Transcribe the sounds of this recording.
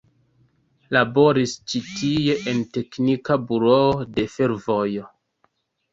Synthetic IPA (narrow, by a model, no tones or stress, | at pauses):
labo̞ɾist͡ʃitije̞ʔente̞knikabuɾoode̞fe̞ɾvojo